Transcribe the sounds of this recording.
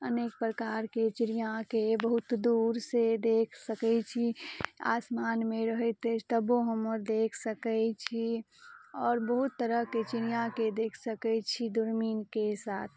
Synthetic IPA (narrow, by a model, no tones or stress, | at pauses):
əneːk̚pɾəkaːɾket͡ʃɪɾijãkebəɦʊt̪d̪uːɾsed̪eːkʰsəkɛt͡ʃʰia̰ːsmaːnmẽɾəɦɛt̪et̪əboɦəməɾd̪eːkʰsəkɛt͡ʃʰi | ɔːɾbəɦʊt̪ːəɾəɦket͡ʃɪɾijãked̪eːkʰsəkɛt͡ʃʰid̪ʊɾmiːnkesaːt̪ʰ